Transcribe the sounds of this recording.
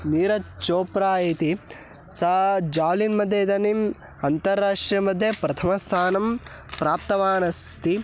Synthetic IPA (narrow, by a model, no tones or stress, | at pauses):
niːɾɐt͡ʃoːpɾaːet̪i | sɐd͡ʒaːʋlinmɐd̪ʱːeːd̪ɐnim | ɐnt̪ɐɾːaːʂʈɾijɐmɐd̪ʱjɐpɾɐt̪ʰɐmɐst̪ʰaːnɐm | pɾaːp̚t̪ɐʋaːnɐst̪ʰi